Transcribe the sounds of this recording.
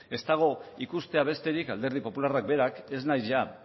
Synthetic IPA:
e̞st̪aɣ̞o̞ikust̪e̞aβ̞e̞st̪e̞ɾikald̪e̞ɾðipo̞pularak̚be̞ɾake̞znajzʝa

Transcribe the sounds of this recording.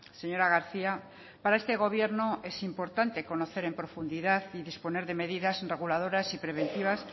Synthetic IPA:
seɲoɾaɣaɾθia | paɾaest̪eɣoβ̞jeɾnoesimpoɾt̪ant̪ekonoθeɾempɾofund̪iðaθiðisponeɾðemeðiðasreɣulað̞oɾasipɾeβ̞ẽnt̪iβ̞as

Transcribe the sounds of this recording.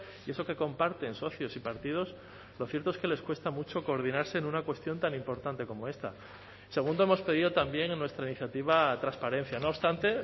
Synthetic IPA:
ie̞so̞ke̞ko̞mpaɾt̪e̞nso̞θjo̞sipaɾt̪ið̞o̞s | lo̞θje̞ɾt̪oe̞ske̞le̞skwe̞st̪amut͡ʃo̞ko̞ːɾð̞inaɾse̞nunakwe̞st̪jo̞nt̪anĩmpo̞ɾt̪ant̪e̞ko̞mo̞e̞st̪a | se̞ɣ̞und̪o̞emo̞spe̞ð̞iðo̞t̪ambje̞ŋnːwe̞st̪ɾainiθjat̪iβ̞at̪ɾanspaɾe̞n̟θjano̞ːst̪ant̪e̞

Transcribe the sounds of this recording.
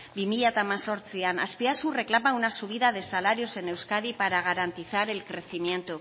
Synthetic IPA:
bimiʎat̪amaso̞ɾt͡siana̰spiasure̞klamawunasuβ̞iðað̞e̞salaɾio̞se̞ne̞wskaɾipaɾaɣ̞aɾant̪iθaɾe̞lkɾe̞θimje̞nt̪u

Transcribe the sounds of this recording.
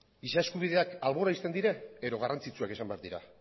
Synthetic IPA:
isaeskuβ̞iðe̞akalβo̞ɾaist̪e̞nd̪iɾeeɾo̞ɣarʔant͡sit͡suake̞sambeaɾd̪iɾa̰

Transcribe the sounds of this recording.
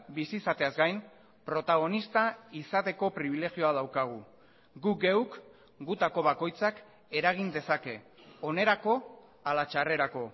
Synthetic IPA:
bisisat̪e̞azɡajm | pɾo̞t̪aɣ̞o̞nist̪aisat̪e̞ko̞pɾiβ̞ile̞ɣio̞að̞awkaɣ̞u | ɡuɡe̞wk | ɡut̪ako̞β̞ako̞jt͡sak | e̞ɾaɣ̞ind̪e̞sake̞ | o̞ne̞ɾako̞ | alat͡ʃare̞ɾako̞

